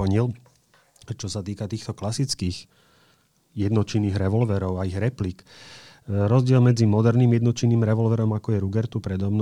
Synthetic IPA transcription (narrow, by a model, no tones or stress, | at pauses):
ɔɲil | t͡ʃɔsat̪iːkat̪iːxt̪ɔklasit͡skiːx | jɛd̪nɔt͡ʃinːiːɣɾɛʋɔlʋɛːɾɔʊaiɣɾɛplik | ɾɔzɟɪɛlmɛd͡zimɔd̪ɛɾniːmjɛd̪nɔt͡ʃinːiːmɾɛʋɔlʋɛːɾɔmakɔjɛɾuɡɛɾt̪upɾɛd̪ɔmn